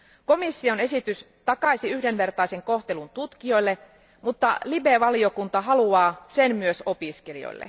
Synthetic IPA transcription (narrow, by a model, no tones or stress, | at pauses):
ko̞misːio̞ne̞sit̪ys | t̪ɑkɑjsiyhde̞nʋe̞rt̪ɑise̞ŋko̞ht̪e̞lunt̪ut̪kio̞jlːe | mut̪ːɑlibe̞ʋɑlio̞kunt̪ɑɦɑluɑːsenmyøso̞piske̞lḭo̰jlːḛ